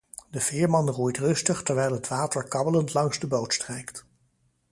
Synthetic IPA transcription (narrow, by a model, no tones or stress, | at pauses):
dəv̥ɪːɹmɑnrujtrɵstəχtɛɹʋɛjlˠɦətʋaːtəɹkɑbələntlɑŋzdəbowtstrɛjkt